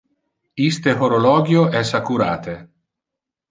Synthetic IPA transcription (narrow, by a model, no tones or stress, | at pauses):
ist̪eɦoɾolɔːɡjoɛsakuɾaːt̪e